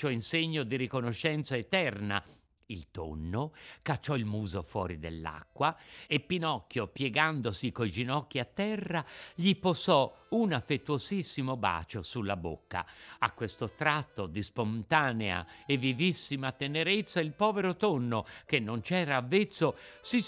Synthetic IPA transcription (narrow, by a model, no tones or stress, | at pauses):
t͡ʃoɛinseɲːod̪iɾikonoʃːɛnt̪saet̪ɛrna̰ | ilt̪o̰nːokat͡ʃːɔilmuːzofwɔ̰ːɾid̪ḛlːa̰kːwaepːinɔkːjopjɛɡand̪osikojd͡ʒinɔkːiat̪ːɛrːaʎiposɔunafːet̪ːuozisːimoba̰ːt͡ʃosulːabo̰kːa̰akwest̪ot̪ɾat̪ːod̪ispont̪aːnea̰evːivisːimat̪eneɾet̪sːailpɔːveɾot̪onːok̟enːont͡ʃɛːɾaːvːet̪sːosi